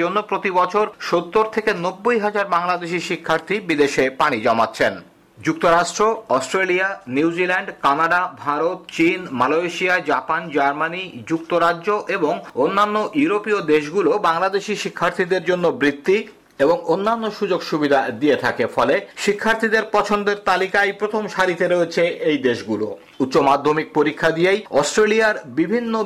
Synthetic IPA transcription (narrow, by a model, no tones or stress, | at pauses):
onːopɾot̪ibɔt͡ɕʰoɾʃot̪ːoɾt̪ʰekenobːojɦad͡ʑaɾbaŋlad̪eʃiʃikʰːaɾt̪ʰibid̪eʃepaɽ̃id͡ʑɔmatːɕʰen | d͡ʑuk̚t̪oɾaʃʈɾoɔsʈɾelianiwd͡ʑilaɳɖkanaɖabʱaɾot̪t͡ɕinmaloeʃiad͡ʑapand͡ʑaɾmanid͡ʑuk̚t̪oɾaʑoʔeboŋonːanːoʔjuɾopiod̪eʃɡulobaŋlad̪eʃiʃikʰːaɾt̪ʰid̪eɾd͡ʑonːobɾit̪ːi | eboŋonːanːoʃud͡ʑoɡʃubid̪ʱad̪iet̪ʰakefɔleʃikʰːaɾt̪ʰid̪eɾpɔt͡ɕʰond̪eɾt̪alikajpɾot̪ʰomʃaɾit̪eɾoet͡ɕʰeʔejd̪eʃɡulo̰ | ut̪ːɕomad̪ʱːomik̚poɾikʰːad̪iejɔsʈɾeliaɾbibʱinːo